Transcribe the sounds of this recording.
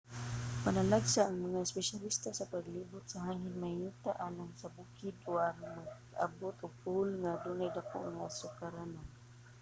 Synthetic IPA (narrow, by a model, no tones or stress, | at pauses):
panalaɡsaʔːŋmaŋaɛspɛʃalist̪asapaɡliːbʊt̪̚saɦaːŋɪnmahiːt̪aʔalaŋsabukɪd̪ʊanmaɡ | a̰bʊt̪ʊɡ̚pʊlŋad̪unajd̪ako̰ʔŋasʊkaɾanan